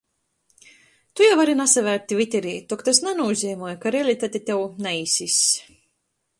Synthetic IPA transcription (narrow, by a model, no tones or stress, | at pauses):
t̪ujawaɾinasavʲæːɾt̪ʲivʲit̪ʲɛɾiːt̪ɔkt̪asnanuuzʲiːmɔɔjkaɾɛlʲit̪at̪ʲit̪ʲewnaisis